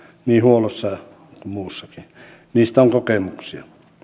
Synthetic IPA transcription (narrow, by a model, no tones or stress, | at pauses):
niːhuolosːɑ | kummuːsːɑki | niːst̪æoŋkokemuksiɑ